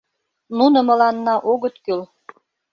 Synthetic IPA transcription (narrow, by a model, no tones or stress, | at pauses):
nunə̆mə̆lɑnːɑʔoɣət̪kyl